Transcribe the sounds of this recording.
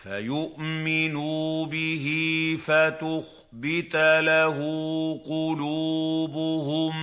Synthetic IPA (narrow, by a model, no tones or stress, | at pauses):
fajʊʔmɪnubɪɦɪfat̪ʊx | bɪt̪laɦʊqʊluːbʊhʊm